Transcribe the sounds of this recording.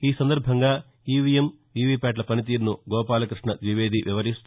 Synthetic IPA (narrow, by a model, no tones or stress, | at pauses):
iːsɐnd̪ɐɾbʱɐŋɡaː | iːʋijem | iːʋiːpɛːʈ̬lɐpɐnit̪iːɾnuɡɔːpaːlɐkɾɨʂɳɐd̪ʋiʋeːd̪ʱiʋʔiʋɐɾist̪